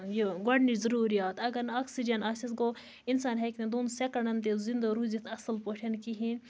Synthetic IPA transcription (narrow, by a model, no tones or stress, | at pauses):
jeɡɐɽnizɐɾuːɾijaːt̪ɐɡɐɾnaːksid͡ʒɐnasisɡo | insaːnɦɐkned̪onsekɐɳɐnt̪ezind̪oɾuzit̪ʰɐsɐlpoːʈʰɐnkiɦĩn